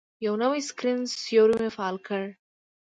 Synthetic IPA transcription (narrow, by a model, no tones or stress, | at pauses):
jɐwnɐʋiskɾɪnsjoːɾumefaːlkʰɐɻ